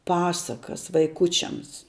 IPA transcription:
ˈpɑːsɐkɐs ʋɐɪˈkʊt͡ʃʲɛms

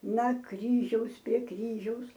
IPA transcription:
nɐ ˈkrʲiːʒʲɛʊs pʲrʲiɛ ˈkrʲiːʒʲɛʊs

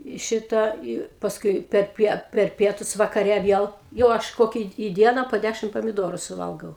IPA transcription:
ɪ ˈʃʲɪtɑː ɪ pɐsˈkʊɪ pʲɛrʲˈpʲiɛ pʲɛr ˈpʲiɛtʊs ʋɐkɐˈrʲɛ ˈʋʲiɛlˠ jɛʊ ˈɐʃ ˈkoːkʲɛ ɪ ˈdʲiɛnɐ poː ˈdʲæʃʲɪm pɐmʲɪˈdoːrʊ sʊˈʋɐlˠɡɐʊ

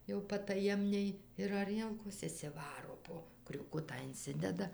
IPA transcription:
jɛʊ pɐtɐˈjɛmʲnʲɛɪ ɪr ɐˈrʲiɛlˠkoːs ɪʃʲsʲɪˈʋɑːroː ˈpoː krʲuːˈkʊtɑː ɪnʲˈsʲɪdʲɛdɐ

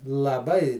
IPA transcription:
lˠɐˈbɐɪ

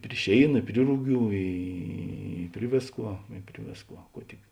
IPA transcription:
pʲrʲɪ ˈʃʲeːɪnɐ ɪ ˈpʲrʲɪ rʊˌɡʲuː ˈiː ˈpʲrʲɪ ʋʲeːsˌkuɔ ɪ ˈpʲrʲɪ ʋʲeːsˌkuɔ ˈkuɔ tʲɪk

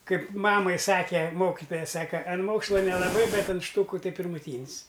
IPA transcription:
ˈkɐɪp ˈmɑːmɐɪ ˈsɑːkʲɛ ˈmoːkʲɪtoːjɛ ˈsɑːkɐ ɐn ˈmoːkslˠɐ nʲɛlˠɐˈbɐɪ ˈbʲɛt ɐn ˈʃtuːkʊ ˈtɐɪ pʲɪrmʊˈtʲiːnʲs

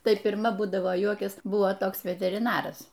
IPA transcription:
ˈtɐɪ pʲɪrˈmɐ ˈbuːdɐʋoː ˈjuɔkʲɛs ˈbʊʋoː ˈtoːks ʋʲɛtʲɛrʲɪˈnɑːrɐs

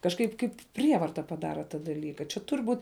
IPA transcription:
kɐʃˈkɐɪp ˈkɐɪp ˈpʲrʲiɛʋɐrtɐ pɐˈdɑːrɐ tɐ dɐˈlʲiːkɐ t͡ʃʲɛ ˈtʊrʲ ˈbuːtʲ

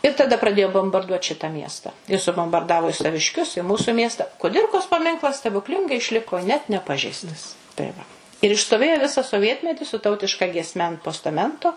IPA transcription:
ɪ tɐˈdɐ prɐˈdʲeːjoː boːmbɐrˈduɔt ˈʃʲɪtɐ ˈmʲiɛstɐ ɪ sʊboːmbɐrˈdɑːʋoː ɪ sɐʋʲɪʃʲˈkʲʊs ɪ ˈmuːsʊ ˈmʲiɛstɐ kʊˈdʲɪrkoːs pɐˈmʲɪŋklˠɐs sʲtʲɛbʊkˈlʲɪŋɡɐɪ ɪʃʲˈlʲɪkoː nʲɛt nʲɛˈpɑːʒʲɛɪstɐs tɐɪ ˈʋɐ ɪr ɪʃstoːˈʋʲeːjoː ˈʋʲɪsɑː soːˈʋʲiɛtʲmʲɛtʲɪ sʊ ˈtɐʊtʲɪʃkɐ ɡʲiɛsʲˈmʲɛ ɐnt poːstɐˈmʲɛntoː

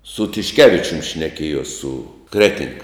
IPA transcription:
sʊ tʲɪʃʲˈkʲæːʋʲɪt͡ʃʲʊm ʃʲnʲɛˈkʲiɛjoːs sʊ ˈkrʲæːtʲɪŋk

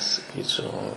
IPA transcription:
sɐˈkʲiːt͡ʃʲɛʊ

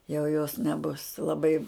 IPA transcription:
jɛʊ joːs nʲɛˈbʊs lˠɐˈbɐɪ

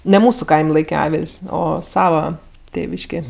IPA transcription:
nʲɛ ˈmuːsʊ ˈkɐɪmʲ ˈlˠɐɪkʲɛ ˈɑːʋʲɪlʲsʲ ˈoː ˈsɑːʋɐ ˈtʲeːʋʲɪʃʲkʲeː

